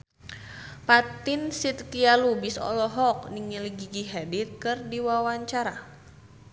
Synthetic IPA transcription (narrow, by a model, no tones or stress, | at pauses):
pat̪insit̪kialubisɔ̰lɔɦɔk̚niŋiliɡiɡiɦɛdit̪̚kɨrdiwawaɲt͡ʃaɾa